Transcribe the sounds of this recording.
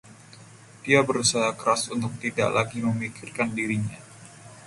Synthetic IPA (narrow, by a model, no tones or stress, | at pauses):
d̥iabəɾusaɦakəɾasunt̪ʊk̚t̪ida̰ʔlaɡiməmikɪrkandiɾiɲa